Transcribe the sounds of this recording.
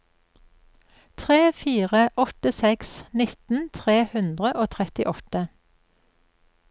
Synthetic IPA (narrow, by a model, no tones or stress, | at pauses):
t̪ʰʁeːfiːʁəʔɔt̪əsɛksnɪt̪n̩t̪ʰʁeːhʉnd̪ʁəʔoːt̪ʰʁɛt̪ɪʔɔt̪ə